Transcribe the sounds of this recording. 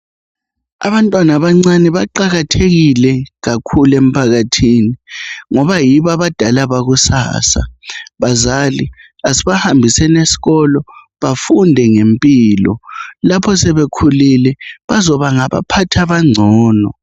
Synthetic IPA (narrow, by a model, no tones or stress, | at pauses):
a̰βantʼwanaβaŋ͡ǀanɛβaǃaɣatʰeɣilɛɣakʰulem̩pʰaɣatʰiːniŋɔβajiβaβad̥ʱalaβaɣusa̰ːsa̰βazali | asiβahambʱisɛnesi̥ɣɔlɔ | βafundʱɛŋempʼiːlɔ̰lapʰɔsɛβekʰulilɛβazɔβaŋaβa̰pʰatʰaβaŋ͡ǀʱɔːnɔ